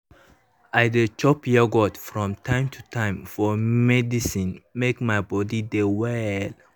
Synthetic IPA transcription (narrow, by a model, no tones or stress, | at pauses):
ajdət͡ʃɔpjɛɡɔtfɹɔ̃mtʰãɪ̃mtʰutʰãɪ̃mfɔmɛdisĩnmekmajbɔdidewɛl